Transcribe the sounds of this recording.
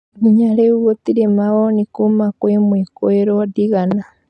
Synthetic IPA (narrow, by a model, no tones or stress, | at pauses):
niɲaleuɣotiɾemaβonikumakwemwekoeɾodiɣana